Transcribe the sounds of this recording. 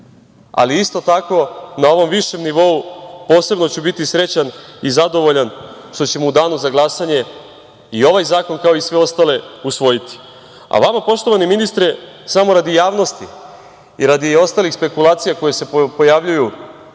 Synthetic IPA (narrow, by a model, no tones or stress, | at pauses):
a̰liist̪o̞t̪ako̞nao̞ʋo̞mʋiʃe̞mniʋo̞upo̞ːse̞bno̞t͡ɕubit̪isɾe̞t͡ɕanizad̪o̞ʋo̞ʎan | ʃt̪o̞t͡ɕe̞moud̪aːnuzaɡlˠasaɲe̞ | io̞ʋajzaːko̞nkao̞isʋe̞o̞st̪ale̞usʋo̞jit̪i̥ | a̰ʋamapo̞ʃt̪o̞ʋaniminist̪ɾe | samo̞ɾad̪ijaːʋno̞st̪i | iɾad̪io̞st̪aːlixspe̞kulˠaːt̪sijako̞jese̞po̞jaʋʎuju